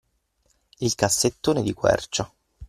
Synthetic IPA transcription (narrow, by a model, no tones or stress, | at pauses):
ilkasːet̪ːoːned̪ikwɛ̰rt͡ʃa